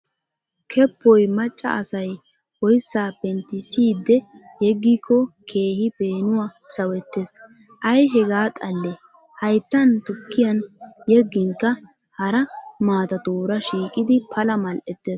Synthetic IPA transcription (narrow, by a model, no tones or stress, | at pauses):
kʰɛpːɔjmɐt͡ʃʼːɐ̰ʔɐsɐj | wɔjsːaːbɛnt̪ːɪsiːd̪ːɛ | jɛɡːiːkʰːɔkʰe̞ːhɪpe̞ːnʊwaːsɐwɛt̪ːes | ʔɐjɦɛɡaːt̪ʼɐlːe | hɐjt̪ːɐnt̪ʊkːɪjɐnjɛɡːɪŋkːɐ | hɐɾɐmaːt̪ɐt̪uːɾɐʃiːkʼɪd̪ɪpʰɐlɐmɐlʔɛt̪ːeːs